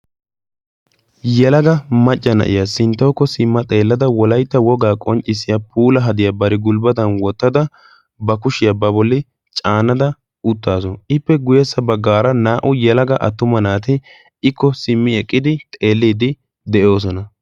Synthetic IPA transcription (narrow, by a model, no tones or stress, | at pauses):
jɛlɐɡɐmɐt͡ʃʼːɐnɐ̰ʔɪ̰jɐsɪnt̪ːɐwkːɔsɪmːɐt̪ʼe̞ːlːɐd̪ɐwɔlɐjt̪ːɐwɔɡaːkʼɔnt͡ʃʼːɪsːɪjapuːlɐɦɐd̪ɪjabɐɾɪɡʊlbɐd̪ɐnwɔt̪ːɐd̪ɐ | bɐkʊʃɪjɐbɐbɔlːɪ | t͡ʃʼaːnːɐd̪ɐ | ʊt̪ːaːsɔnʔɪpːɛɡʊjɛsːɐbɐɡːaːɾɐnaːʔʊjɛlɐɡɐʔɐ̰t̪ːʊmɐnaːt̪ɪ | ɪkːɔsɪmːɪɛkʼːɪd̪ɪt̪ʼe̞ːlːiːd̪ɪ | d̪ɛʔo̞ːs̬ɔnɐ